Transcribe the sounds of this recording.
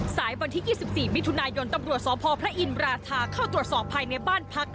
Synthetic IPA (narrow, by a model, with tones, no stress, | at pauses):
saː˩˦jwa˧nt̪ʰi˦˥jiː˥˩si˨˩p̚siː˨˩mi˦˥t̪ʰu˧naː˧jo˧nt̪a˧mɾu˨˩ət̪̚sɔː˩˦pʰɔː˧pʰɾa˦˥ʔi˧nɾaː˧t̪ʰaː˧kʰaː˥˩t̪ɾu˨˩ət̪̚sɔː˨˩pʰːaː˧jna˧jbaː˥˩npʰa˦˥k̚